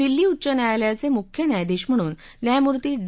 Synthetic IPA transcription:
ilːiːut͡ɕənjajljat͡semukʰjənjajd̪iːɕm̤əɽ̃uːn | t̪jajmuɾt̪iːɖ

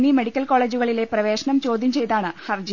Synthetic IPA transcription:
nimeɽikʲːɐlko̞ːɭe̞ːd͡ʑuɣɐɭile̞prɐʋe̞ːɕɐɳɐmt͡ɕo̞ːd̪ʱjɐmt͡ɕe̞jt̪aːɳɨhɐrd͡ʑi

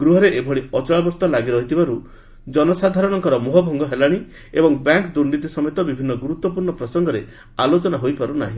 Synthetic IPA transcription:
ɡɾuɦɔɾeʔebʱɔɽiɔt͡ʃɔɭabɔst̪ɔlaɡiɾɔɦit̪ʰibaɾu | d͡ʒɔnɔsad̪ʱaɾɔɽ̃ɔŋkɔɾɔmuɦɔbʱɔŋɡɔɦelaɽ̃i | ebɔŋbaŋkd̪uɾnit̪isɔmɔjt̪ɔbibʱinːɔɡuɾut̪wɔpuɾɳɔpɾɔsɔŋɡɔɾe | alot͡ʃɔnaɦojpaɾunaɦĩ

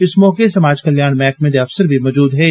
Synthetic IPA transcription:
ɪsmɔːkesɐmaːd͡ʒkɐljaːɽ̃mɛ̃ːkmẽd̪eɐfsəɾbʱimɔːd͡ʒuːd̪ɦɛː

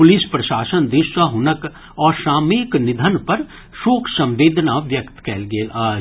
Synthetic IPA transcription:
pʊlɪspɾɐʃaːʃənd̪ɪʃʋəɦʊnək | ɔːɾʃaːmiknɪd̪ʱənpɐɾ | ʃoːkʰsɐ̃mʋeːd̪ʱnaʋjɐkt̪kɛːlɡeːlaː

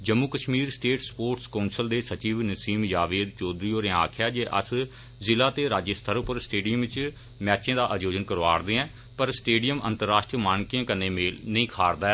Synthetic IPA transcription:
d͡ʒəmːuːkəʃmiːɾsʈeːʈspoːɾʈskaʊnsəld̪eːsət͡ʃiːʋnəsiːmjaːʋeːd̪t͡ʃoːd̪ɾiːoːɾẽa̰ːkʰɪjaːd͡ʒeːʔə̰s | zɪlaːt̪eːɾaːd͡ʒəst̪ʰəɾʊpəɾsʈeːɖijəmʋɪt͡ʃ | mɛːt͡ʃẽːd̪aːʔəd͡ʒoːd͡ʒənkəɾʋaːɾd̪ẽːɛ̃ː | pəɾsʈeːɖijəmə̰̃nt̪əɾːaːʃʈɾiəmaːnkijãːkənːẽːmeːlnəĩːkʰaːɾd̪aːɛ

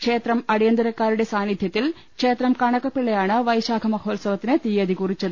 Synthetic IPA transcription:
kʂe̞ːt̪rɐmɐɽijɐnd̪ɐɾɐkːaːɾuɽe̞saːnid̪ʱjɐt̪ːil | kʂe̞ːt̪rɐmkɐɳɐkːɐpːiɭːejaːɳɨʋɐjɕaːkʰɐmɐhʰoːlsɐʋɐt̪ːinɨt̪ijɐd̪ikurit͡ɕːɐðɨ

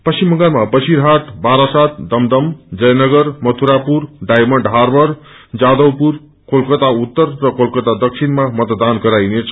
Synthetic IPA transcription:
pʌsimʌŋɡanmabʌsiɾɦaʈbaɾasat̪̚d̪ʌmd̪ʌmd͡zʌjnʌɡʌɾmʌt̪ʰuɾapuɾɖajmʌɳɖɦaɾbʌɾ | d͡zad̪ʌwpuɾ | kolkət̪aut̪ːʌrːʌkolkət̪ad̪ʌksʰinmamʌt̪d̪ankʌɾajnet͡sʰ

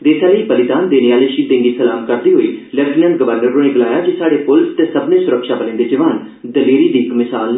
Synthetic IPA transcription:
d̪eːsʰaːləiːpəlɪt̪aːnd̪eːneːaːləːʃiːd̪ẽːŋɡiːsəlaːmkəɾd̪iːɦoːiːləɾʈɪnə̃ːn̚ɡəʋəɾnəɾːoːneːɡɪlaːjaːd͡ʒisaːɽeːpʊlst̪eːsəbnẽːsʊɾəkʃaːbəlẽːnd̪eːd͡ʒəʋaːn | d̪əleːɾiːliːkmɪsaːl

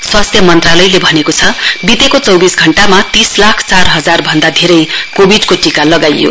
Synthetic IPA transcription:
swast̪ʰjʌmʌnt̪ralʌjlebʱʌnekot͡sʰʌbit̪ekot͡sʌwbisɡʱʌɳʈamat̪islakʰt͡sarɦʌd͡zarbʱʌnd̪ad̪ʱeɾʌjkobʱiɖkoʈikalʌɡajjo̰

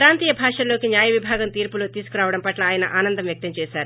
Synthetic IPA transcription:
kɾaːnt̪iːjɐbʱaːʂɐlːo̞ːkinjaːjɐʋibʱaːɡɐmt̪iːɾpuloːt̪iːsu̥kuɾaːʋɐɽɐmpɐʈlɐaːjɐnɐʔaːnɐnd̪ɐmʋjɐk̚t̪ɐmt͡ʃɛːʃaːɾu

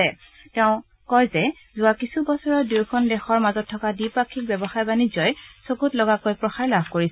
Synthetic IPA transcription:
ɛ | tɛʊ̃ | kɔjzɛ | zʊakisʰubɔsɔɹɔduɹkʰɔndɛxɔɹmazɔtʰːɔkadipakʰːik̚bɛbɔxajbanizɔjsokutlɔɡakojpɹɔxaɹlabʱkoɹisɛ

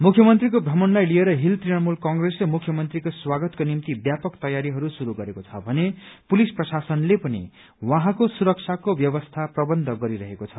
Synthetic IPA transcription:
mukʰjʌmʌnt̪rik̬obʱʌmʌnlajlieɾʌɦilt̪rinʌrmulkʌŋɡreslemukʰːjʌmʌnt̪rikoswaɡʌt̪konimt̪ibjapʌkt̪ʌjaɾiɦʌɾusuɾuɡʌɾekot͡sʰʌbʱʌnepulisprʌsasʌnlepʌnḭ | wãɦãkosuɾʌk̚t͡sʰakobjʌβʌst̪ʰaprʌbʌnd̪ʱʌɡʌɾiɾʌɦekot͡sʰʌ

